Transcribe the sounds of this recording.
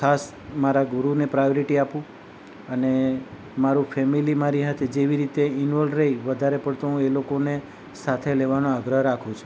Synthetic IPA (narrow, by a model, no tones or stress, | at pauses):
kʰas | maɾaɡuɾunepɾajoɾiʈiapũ | əne | maɾũfʰɛmilimaɾiɦat̪ʰed͡ʒeʋiɾit̪eɪnʋɔlɖɾəiʋəd̪ʱaɾepəɽt̪uũelokone | sat̪ʰeleʋanoaɡɾəɦɾakʰũt͡ʃʰ